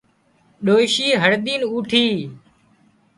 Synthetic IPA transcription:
ɗoːɪʃiːɦəɽɗ̪iːnuːʈʰiː

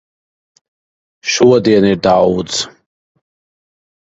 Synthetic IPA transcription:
ʃuwad̪ianirdaːwut͡sʰ

